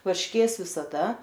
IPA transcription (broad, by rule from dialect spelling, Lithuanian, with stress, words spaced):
ʋɐrʲʃʲˈkʲeːs ʋʲɪsɐˈdɐ